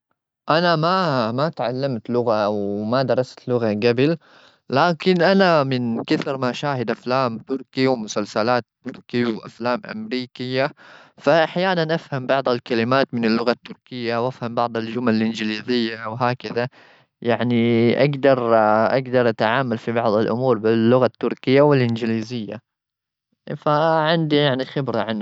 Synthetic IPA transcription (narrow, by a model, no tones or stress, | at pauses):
ʔanamamat̪ʕalːamt̪lʊɣawmad̪ɑɾˤɑst̪lʊɣaɡabɪl | laːkɪnʔanamɪnkɪθɾmaʃaːhɪd̪ʔaflaːmt̪ʊɾkiwmʊsalsalaːt̪ːʊɾkiwʔa̰flaːmʔa̰mɾiːkɪjːafaʔaħjaːnanʔafhambɑʕd̪ˤalkalɪmaːt̪mɪnalːʊɣat̪ːʊɾkɪjːawʔafhambɑʕd̪ˤald͡ʒʊmalalʔɪnd͡ʒɪliːzɪjːawɦaːkaða | jaʕniʔa̰ɡd̪ɑɾˤʔaɡd̪ɑɾˤʔat̪ʕaːmalfibɑʕd̪ˤalʔʊ̰muːɾˤbɪlːʊɣat̪ːʊɾkɪjːawɪlʔɪnd͡ʒɪliːzɪjːa̰ | faʕɪnd̪ijaʕnixɪbɾaʕan